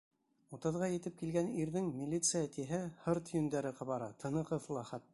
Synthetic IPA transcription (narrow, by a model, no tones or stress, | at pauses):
ut̪ɤ̆ðʁɑjɘ̆t̪ɘp̚kilɡæniɾðɘŋmʲilʲːit̪sɨjat̪iɦɘhɤɾt̪jɵ̆nd̪æɾɘqɑβɑɾɑt̪ʰɤ̆nɤ̆qɤθlˠɑχæt̪̚ː